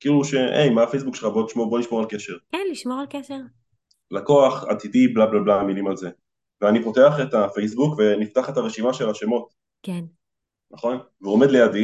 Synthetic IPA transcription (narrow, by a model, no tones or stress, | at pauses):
kiːluʃe̞ʔḛjmaːfejs̬bukʃeχabo̞liʃmoboliʃmo̞ʁalkeʃe̞ʁkɛnliʃmoʁalkeʃeʁ | lako̞aχa̰tidiblablablamilimalze̞ | veanipo̞te̞aχe̞tafejs̬bukve̞niftaχe̞taʁeʃimaʃe̞laʃe̞mo̞t | ken | naχo̞n | veome̞dlejadi